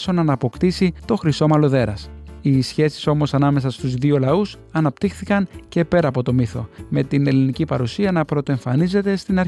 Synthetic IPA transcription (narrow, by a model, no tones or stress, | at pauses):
sonɐnɐpo̞kt̪isit̪o̞xɾiso̞mɐlo̞ðe̞ɾɐsisçe̞si̥so̞mo̞sɐnɐme̞sɐst̪uzðio̞lɐus | ɐnɐpt̪ixθikɐnce̞pe̞ɾɐːpo̞t̪o̞miθo̞̰me̞t̪ine̞linicipɐɾusiɐnɐpɾo̞t̪oeɱfɐnize̞t̪e̞st̪inɐɾ